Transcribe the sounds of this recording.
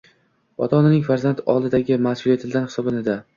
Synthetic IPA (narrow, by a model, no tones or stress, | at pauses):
ɒt̪ʰɒnɪnɪŋʲfaɾzant̪ɒ̰lˠd̪ɪd̪aɡʲɪmasulet̪ʰɪld̪anhɪ̥sɒbɪnɪd̪a